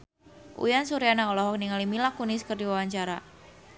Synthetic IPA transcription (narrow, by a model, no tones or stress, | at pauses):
ʔṵjansuɾijanaɔlɔɦɔk̚niŋalimilakuniskərdiwawaɲt͡ʃaɾa